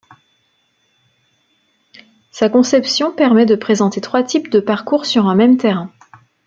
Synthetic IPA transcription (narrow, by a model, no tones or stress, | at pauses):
sakɔ̃sɛpsjɔ̃pɛʁmɛd̪əpχezɑ̃t̪et̪χwat̪ʰipd̪əpaʁkuʁsyʁɛ̃mɛmt̪eʁɛ̃